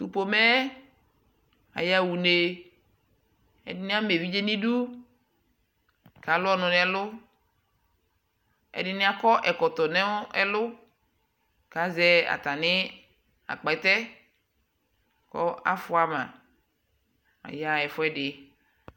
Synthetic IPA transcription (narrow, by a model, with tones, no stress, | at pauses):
t̪u˨po˨mɛ˦ | a̰˨ja˦˨wu˨ne˨ | ɛ̰˨dɪ˦nɪ̃˦a˦me˨vi˦d͡ʒe˦nĩ˦ɖu˦ | ka˨˦lʊ˦ɔ˦nʊ̃˨nɛ̃˨˦lʊ˦ | ɛ̰˨dɪ˦nɪ̃˦a˦kɔ˦ʔɛ˨kɔ˨t̪ɔ˨nɛ̃˦ɛ˦lʊ˦ | ka˦zɛ˦a̰˨t̪a˨nɪ̃˦ | a̰˨k͡pa˨ɛ˨t̪ɛ˦ | kɔ̰˦a̰˦fʊ˦a˦mã̰˨ | a̰˨ja˦ɛ˨fʊ˦ɛ˦ɖɪ˨